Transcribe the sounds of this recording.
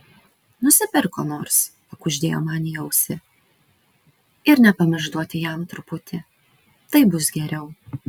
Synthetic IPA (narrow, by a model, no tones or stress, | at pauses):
nʊsʲɪpʲɪɾkoːnoːɾs | ɐkʊʒʲd̪ʲḛːjo̰ːmɑːnʲɪɛʊsʲɪ | ɪɾnʲɛpɐmʲɪʒd̪uɔt̪ʲɪjɛmt̪ɾʊpʊt̪ʲɪ | t̪ɐɪbʊsɡʲɛɾʲɛʊ